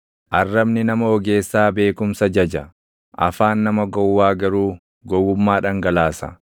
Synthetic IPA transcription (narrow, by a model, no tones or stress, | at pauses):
ʔɐrːɐbnɪnɐmɐɔɡe̞ːsːaːbe̞ːkʊmsɐd͡ʒɐd͡ʒɐ | ʔɐ̰faːnːɐmɐɡɔwːaːɡɐɾuː | ɡɔwːʊmːaːᶑɐŋɡɐlaːsɐ̰